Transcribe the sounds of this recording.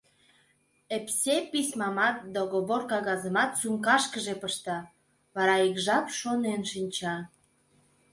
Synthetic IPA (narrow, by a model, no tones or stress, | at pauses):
epsʲepismɑmɑt̪̚d̪oɣoβorkɑɣɑzəmɑt̪suŋkɑʃkəʒepəʃt̪ɑ | βɑɾɑikʒɑpʃonenʃinʲt͡ɕɑ